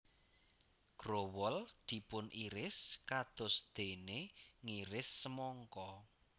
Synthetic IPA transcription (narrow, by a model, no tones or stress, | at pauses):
ɡ̥ɾowɔld̪̥i̤pʊnʔiɾɪskad̪̥ʊ̤sd̪̥e̤neŋiɾɪsːəmɔŋkɔ